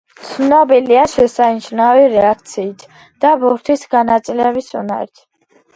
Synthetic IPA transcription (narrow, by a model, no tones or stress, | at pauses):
t̪sʰnɔbiliaʃɛsanʃnaviɾɛak̚ʰt̪sʰiːt̪ʰ | d̪̥abuɾt̪ʰisɡanat̪sʼilɛbisuna̰ɾit̪ʰ